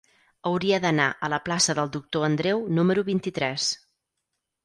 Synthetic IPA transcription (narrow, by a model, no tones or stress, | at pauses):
əwɾiəðənaʔələplasəðəlˠd̪uk̚t̪oənd̪ɾewnuməɾuβint̪it̪ɾɛs